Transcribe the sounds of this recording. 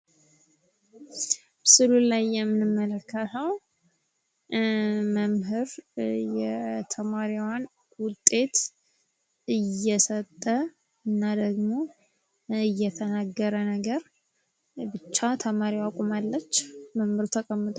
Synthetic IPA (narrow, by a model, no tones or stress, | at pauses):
bsɨlulajːɛmːɨnɨmːələkʰːət̪ʰəw | məmɦɨɾjɛt̪ʰəmaɾiwan | wʊt̪ʼːe̞t̪ | ɨjːɛsət̪ʼːə | ɨnːad̪əɡmo̞ | ɨjːɛt̪ʰənaɡːəɾənəɡəɾ | bɨt͡ʃːat̪ʰəmaɾiwakʼumalːət͡ʃːməmhɨɾt̪ʰəkʼəmːɨt̪ʼ